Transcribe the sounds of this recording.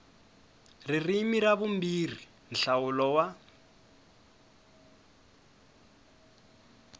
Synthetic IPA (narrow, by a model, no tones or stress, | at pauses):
ririmiraβum̩bir̤i | n̩ɬawʊlɔwa